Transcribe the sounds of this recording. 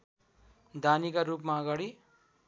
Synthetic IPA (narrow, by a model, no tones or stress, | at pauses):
d̪anikaɾup̬maʌɡaɽi